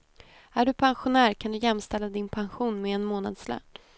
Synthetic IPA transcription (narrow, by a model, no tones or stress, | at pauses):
æɖɵpʰanɧʊnæːɾkʰand̪ɵjɛmːst̪ɛlːad̪ɪnpʰanɧuːnmɛːnmoːnad̪slœ̰n